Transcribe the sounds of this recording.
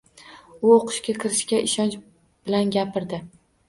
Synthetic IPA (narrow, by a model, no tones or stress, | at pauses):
ʊoqʰɨ̥ʃkʲakʲʰɪɾɪʃkʲaʔɪʃɒnt͡ʃ | b̥ɪlanɡʲapɪɾd̪ɪ